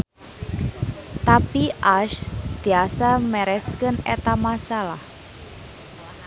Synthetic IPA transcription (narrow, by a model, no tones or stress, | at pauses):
t̪apiʔaʃd̪̥i̤asamɛɾɛskənet̪amasalah